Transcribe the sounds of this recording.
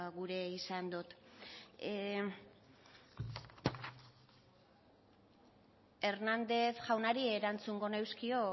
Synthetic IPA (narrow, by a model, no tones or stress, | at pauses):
ɣuɾe̞isand̪ut̪ | e̞ɾnand̪e̞θʝawnaɾie̞ɾant͡suŋɡo̞ne̞wskio̞